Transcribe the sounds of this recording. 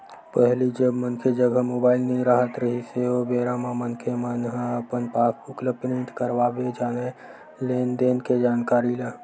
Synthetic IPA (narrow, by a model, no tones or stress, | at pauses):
pəɦlid͡ʒəbmənkʰed͡ʒəɡʱəmoːbaːɪlnəɦĩɾəɦət̪ɾəɦiseobeɾamãmənkʰemənɦəəpənpaːkʰʊkləpnɪʈkəɾbabed͡ʒaːne | leːnd̪eːnked͡ʒaːnkaːɾilə